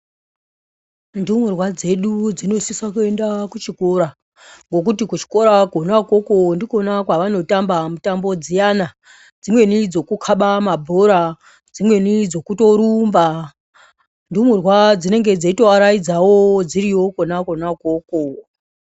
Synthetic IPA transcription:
ndumurwad͡ze̞ɗud͡zino̞sisakue̞ndakut͡ʃiko̞ɾa | ŋɡo̞k̬utikut͡ʃi̥ko̞ɾakonako̞kondiko̞nakwaʋano̞tambamutambo̞d͡zijana | d͡zimwe̞nid͡zo̞kukʰaɓamabʱoɾa | d͡zimwe̞nid͡zo̞kuto̞ɾumba | ndumurwad͡zine̞ŋɡe̞d͡zeito̞aɾaid͡zawo̞d͡ziɾiwo̞konako̞nakoko

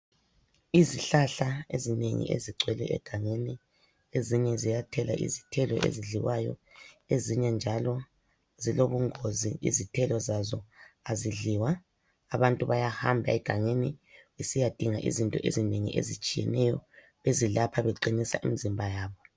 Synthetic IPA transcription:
iziɬaɬaḛzineŋḭḛziǀʱwɛlɛ̰ʔɛ̰ɡ̥ʱaŋeni | eziɲɛzijatʰɛla̰ʔḭzi̥tʰɛlɔ̰ʔḛziɮiwajɔ̰eziɲɛnd͡ʒʱalɔ | ziloβuŋoziḭzitʰɛlɔzazɔaziɮiwaː | βantʼuβajahambʱa̰ɛɡ̥ʱaŋeniisijad̥ʱiŋaʔḭzintʼɔʔḛzineŋḭʔḛzit͡ʃʼijɛ̰nɛjɔ | βezilapʰaβeǃinisa̰ʔḭmizimbʱajaːβɔ

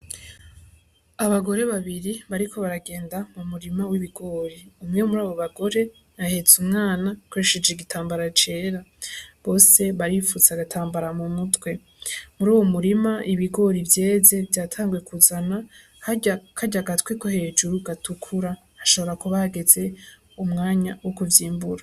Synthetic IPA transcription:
aβaɡo̞ɾe̞βaβiɾiβaɾikʰo̞βaɾaɡe̞ːndamumuɾimawiβiɡo̞ːɾiumŋe̞muɾaːβo̞βaɡo̞ɾe̞ | nahe̞z̥umŋaːnakwoɾeʃe̞d͡ʒeɡitʰaːmbaɾat͡ʃe̞ːɾaβo̞ːse̞βaɾifuzaɡatʰaːmbaɾamumutwe̞ | muɾuːwo̞muɾimaʔiβiɡo̞ɾivje̞ːze̞vjaːtʰaːŋɡwe̞kʰuzana | hakʰaɟaɡatwekohe̞ːd͡ʒuɾuɡatukʰuɾa | haʃo̞βo̞ɾakuβahɡe̞ze̞ | umŋaːɲawokuvjiːmbuɾa

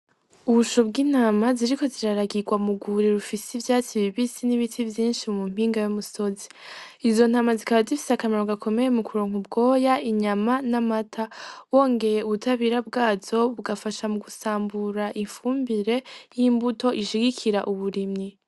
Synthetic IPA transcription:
uβuʃobɡiːn̥aːmaziɾiko̞ziɾaɾaɡiɡwamuɡuɾiɾufisivjaːt͡ʃiβiβisiniβitʰivjiːnʃimumum̥iːŋɡajumuso̞ziizo̞n̥aːmazikaβazifi̥sakameɾoɡakʰo̞me̞jemukʰuɾo̞ːŋubɡo̞ːjaiɲamanamatʰawo̞ːŋɡe̞je̞uβutʰaβiɾabɡaːzo̞βuɡafaʃamuɡusaːmbuɾaʔiɱfuːmbiɾe̞jimbuto̞ʔiʃiɡikʰiɾaʔuβuɾimɲi

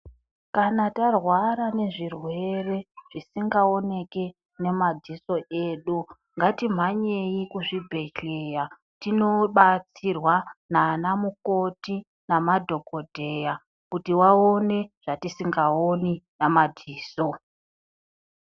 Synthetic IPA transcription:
kanatarwaɾane̞ʐirwe̞re̞ʐ̥isiŋɡao̞ne̞ke̞ | ne̞madʱiso̞ʔeːɗu | ŋɡatim̤aɲejikuʐibʱe̞ɬeja | tino̞ɓat͡sirwanaːnamuko̞ti | namadʱo̞ɡʱodʱe̞ja | kutiwaone̞ʐ̥atisiŋɡaoninamadʱiːso̞

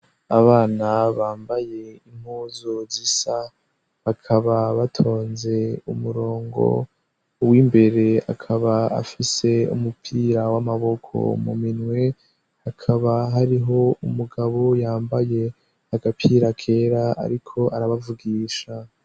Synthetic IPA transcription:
aβaːnaβaːmbaje̞im̥huːzuzisa | βakʰaβaβatʰo̞ːnze̞umuɾo̞ːŋɡo̞̰ | wimbe̞ɾe̞a̰kʰaβaa̰fise̞ṵmupʰiːɾawamaβo̞kʰo̞̰mṵminŋwe̞ | hakʰaβaɦaɾiɦo̞umuɡaβo̞jaːmbaje̞ | haɡapʰiːɾakʰe̞ːɾaa̰ɾikʰo̞ʔaɾaβavuɡiːʃa

